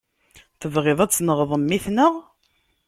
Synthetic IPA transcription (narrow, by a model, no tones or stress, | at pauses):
θəvʁeðˤæt͡sːnəʁðˤəmːiθnəʁ